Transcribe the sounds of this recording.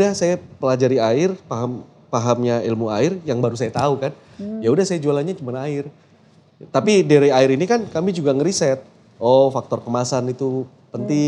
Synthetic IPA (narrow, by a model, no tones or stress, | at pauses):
dahsajapəlad͡ʒaɾiaɪrpaɦam | paɦamɲailmuaɪrjaŋbaɾus̬ajat̪aukan | jaudahsajad͡ʒualaɲat͡ʃumanaɪr | t̪apideɾaaɪɾinikankamid͡ʒuɡaŋəɾisɛt̪̚ | ʔɔfak̚t̪ɔrkəmasanit̪u | pənt̪i